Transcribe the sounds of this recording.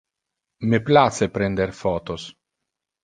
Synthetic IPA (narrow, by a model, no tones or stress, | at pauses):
meplat̪sepɾɛnd̪erfɔːt̪os